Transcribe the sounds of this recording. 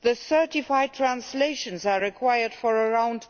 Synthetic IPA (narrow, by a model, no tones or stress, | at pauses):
ðəsɜ˞tɪfaɪd̚tʰɹæ̃nsleɪʃə̃nzaɹɪkʰwaɪədfəɹəɹãʊ̃nd